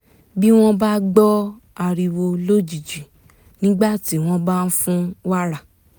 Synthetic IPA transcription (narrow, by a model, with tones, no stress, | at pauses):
bi˦w̃ɔ̃˦ba˦ɡ͡bɔ˦ | a˧ɾi˧wo˧lo˦d͡ʒi˨d͡ʒi˨ | nĩ˦ɡ͡ba˦˨ti˨˦w̃ɔ̃˧ba˦˧n̩˦fũ˦wa˦ɾa˦˨